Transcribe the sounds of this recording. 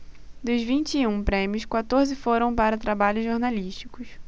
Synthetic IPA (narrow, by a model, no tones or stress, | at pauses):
d̪ʊzvĩnt͡ʃɪũpɾẽmiʊskwat̪oɾzɪfoɾɐ̃w̃paɾɐt̪ɾabaʎʊzʒoɾnaliʃt͡ʃi̥kʊs